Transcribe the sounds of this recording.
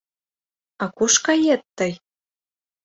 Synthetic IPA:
ɑkuʃkɑjet̪ːɤj

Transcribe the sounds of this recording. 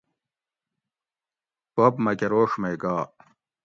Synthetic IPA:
popmɐkeɾoːʂmejɡaː

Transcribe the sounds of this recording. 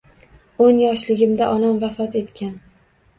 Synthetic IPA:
onjɒʃlɪɡʲɪmd̪aʔɒnamvafɒt̪e̞t̪kʲʰan

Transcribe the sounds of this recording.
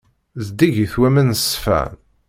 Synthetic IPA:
zd̪iʝiθwæmənsfæ̰n

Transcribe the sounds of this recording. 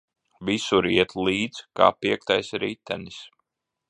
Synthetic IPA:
visuɾiɛt̪liːd̪zka̰ːpiɛk̚t̪ajsɾiːt̪ːæ̰nis

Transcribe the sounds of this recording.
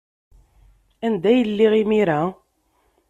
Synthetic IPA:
ænd̪æjəlːiʁimiɾæ

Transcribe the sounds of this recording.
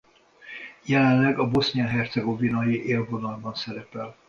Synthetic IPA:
jɛlɛnlːɛɡɒbo̞sniɒɦɛrt̪sɛɡo̞vinɒjiʔeːlvo̞nɒlbɒnsɛɾɛpɛl

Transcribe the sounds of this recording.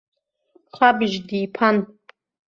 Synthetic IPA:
χʷabʒdiːpʰan

